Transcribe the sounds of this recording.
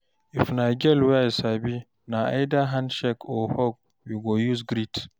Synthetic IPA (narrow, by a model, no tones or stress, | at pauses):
ifnaɡɛlwɛjsabi | naa̰jdaɦãnʃɛkʰɔhɔɡ̚ | wiɡɔjuzɡɾit